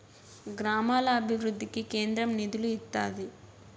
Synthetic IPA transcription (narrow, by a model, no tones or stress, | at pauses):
ɡɾaːmaːlɐːbʱiʋɾud̪ʱːikike̞ːnd̪ɾɐmnid̪uluit̪ːaːd̪i